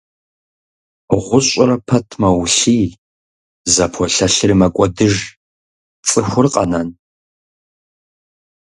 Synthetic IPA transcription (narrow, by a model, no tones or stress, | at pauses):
ʁʷʊɕʷʼʊrɐpʰɐtʰmɐwɬiː | zɐpʰɔɬɐɬɪrimɐkʷʼɔdɨʒ | t͡sʼɨxʷʊrqʼɐ̰nan